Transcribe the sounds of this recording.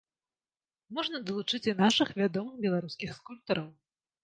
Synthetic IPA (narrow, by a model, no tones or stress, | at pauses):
mɔʐnɐd̪ɐlˠut͡ʂɨt͡sʲinaʂɨxvʲad̪ɔmɨxbʲɛlˠaɾuskʲixskulʲp̚t̪ɐɾɐw